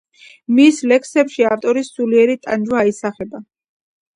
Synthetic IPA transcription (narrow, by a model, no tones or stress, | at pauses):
mislɛksɛpʃiaft̪ʼɔɾisuliɛɾit̪ʼa̰nd͡ʒwaːisaχɛba